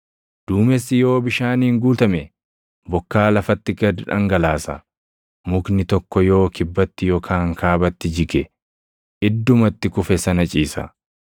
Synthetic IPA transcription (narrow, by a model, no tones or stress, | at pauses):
d̪̥uːmɛsːɪjo̞ːbɪʃaːniːŋɡuːt̪ɐmɛ | bɔkːaːlɐfɐt̪ːɪɡɐd̪ɪᶑɐ̰ŋɡɐlaːsɐ | mʊknɪt̪ɔkːɔjo̞ːkɪbːɐt̪ːɪjɔkʰaːŋkʰaːbɐt̪ːɪd͡ʒɪkɛ | ʔɪd̪ːʊmɐt̪ːɪkʊfɛsɐnɐt͡ʃʼiːsɐ̰